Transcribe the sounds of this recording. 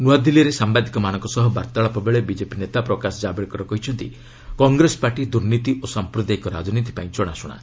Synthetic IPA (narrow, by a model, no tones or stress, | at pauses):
nuad̪ʱiliɔɾesambad̪ʱikɔmanɔŋkɔsɔɦɔba̰ɾt̪aɭɔpɔbeɭebid͡ʒepinet̪apɾɔkasɔd͡ʒabeɭkɔɾɔkɔɦit͡ʃʰɔnt̪i | kɔŋɡɾesɔ̥paɾʈid̪uɾnit̪iʔosampɾud̪ajkɔɾa̰d͡ʒɔnit̪̬i̥paĩt͡ʃɔɽ̃asuɽ̃a̰